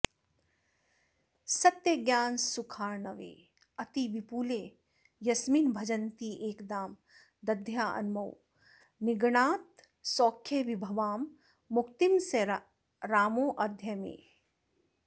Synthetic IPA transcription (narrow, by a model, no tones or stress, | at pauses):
sɐt̪jɐɡjaːnsukʰaːɾnɐʋḛː | ɐt̪iʋipuːleː | jɐsmiːnbʱɐd͡ʒɐnt̪ieːkd̪aːm | d̪ɐd̪ʱjaːʔɐ̰nmɐw | niɡɳaːt̪ | sɔːkʰːjeʋibʱɐʋaːmː | ʊkt̪imse | ɾaːmoːʔɐd̪ʱjɐmḛː